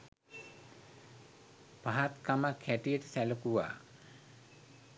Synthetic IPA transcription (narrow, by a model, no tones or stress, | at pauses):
paɦat̪kamakʰːæʈijəʈəsælukuwa̰ː